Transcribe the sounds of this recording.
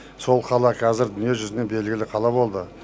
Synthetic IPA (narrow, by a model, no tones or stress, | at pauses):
so̞lˠqʰɑlˠɑqʰɑzɪɾd̪ʏnije̞ʒʏzɪne̞be̞lɡʲɪlɪqʰɑlˠɑbo̞lˠd̪ə